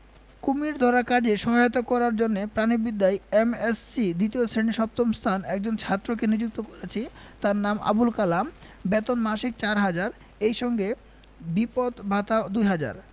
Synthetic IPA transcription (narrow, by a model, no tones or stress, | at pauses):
kumiɾd̪ʱɔɾakad͡ʑeʃɔɦajot̪okɔɾaɾd͡ʑonːepɾanibid̪ːajemessid̪it̪iosɾeniʃɔp̚t̪omst̪ʰanɛk̚d͡ʑont͡ɕʰat̪ːɾok̬enid͡ʑuk̚t̪okɔɾat͡ɕʰit̪aɾnama̰bulkalam | bɛt̪onmaʃik̚t͡ɕaɾɦad͡ʑaɾ | ejʃɔŋɡe | bipot̪bʱat̪aod̪ujɦad͡ʑa̰ɾ